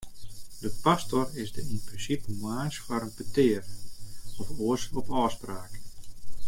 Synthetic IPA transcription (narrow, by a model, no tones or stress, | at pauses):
dəpastɔrɪsdəinprɪnsipəmaːsfɔɾənbətɪər | ɔfoəsɔpɔːspraːk